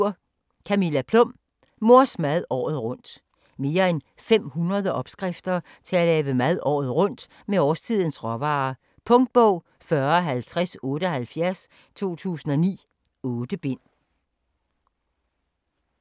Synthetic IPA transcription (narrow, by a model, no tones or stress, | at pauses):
ɐ̰ | kʰæmilæpʰlɔ̽m̰ | mo̝ɐ̰smæð̞ˠɒ̰ːð̞̩ˠʁɔ̽n̰d̥ | me̝ːɐen | fem̰hunʁɐð̞ˠəʔɒ̽b̥sɡ̥ʁafd̥ɐ | t͡sʰe̝ælɛːʋəmæð̞ˠɒ̰ːð̞̩ˠʁɔ̽n̰d̥ | meɒːst͡sʰið̞̰ˠn̩sʁɒʋɑ̈ː | pʰɔ̽ŋd̥̚b̥ɔʊ̰ | fɶɐɒ̽ɦælt͡sʰʁɛsɔ̽ːɾ̥əɒ̽ɦælfjæɐs | t͡sʰo̝̰ːt͡sʰṵːsn̩ɒ̽nḭː | ɔ̽ːd̥əb̥e̝n̰